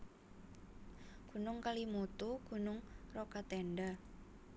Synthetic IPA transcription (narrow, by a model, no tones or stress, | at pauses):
ɡ̥ṳnʊŋkalimut̪uɡ̥ṳnʊŋrɔkat̪ɛnɖa